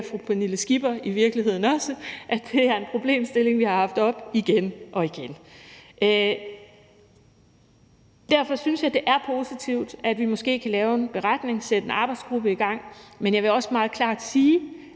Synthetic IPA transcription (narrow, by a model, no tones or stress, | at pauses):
fʁupʰeniləsɡ̥ib̥ɐiʋiɐɡ̥liɦe̝ð̰ˠn̩ɒ̽səʔæd̥e̝æɐe̝npʰʁo̝b̥le̝̰ːmsd̥e̝le̝ŋʋihɑ̈hɑ̈fd̥ɒ̽b̥iɡ̥enʔɒ̽iɡ̥enʔ | d̥æɐ̰fɒ̽synsjɑ̈ɪd̥e̝ʔæɐpʰo̝ːsit͡sʰiʊ̰d̥æd̥ʋimɒ̽sɡ̥e̝̰ːkʰælɛːʊe̝nb̥e̝ʁɑd̥ne̝ŋsed̥e̝nɑ̈ːb̥ɑ̈ɪdsɡ̥ʁub̥əiɡ̥ɑ̈ŋ̰menjɑ̈ɪʋe̝ɒ̽səmɑ̈ːð̞̩ˠkʰlɑ̈ːd̥siː